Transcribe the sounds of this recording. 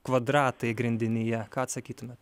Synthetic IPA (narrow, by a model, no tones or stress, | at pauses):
kʋɐd̪ɾɑːt̪ɐɪɡɾʲɪnʲd̪ʲɪnʲɪjɛkɑːɐt̪sɐkʲiːt̪ʊmʲɛt̪